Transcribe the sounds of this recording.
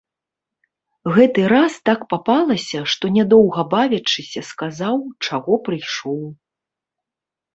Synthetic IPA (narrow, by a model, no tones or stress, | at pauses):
ɣɛt̪ɨɾast̪akpapalˠɐsʲɐʂt̪ɔnʲɛd̪ɔwɣɐbavʲɐt͡ʂːɨsʲɐskazawt͡ʂaɣɔpɾɨjʂɔw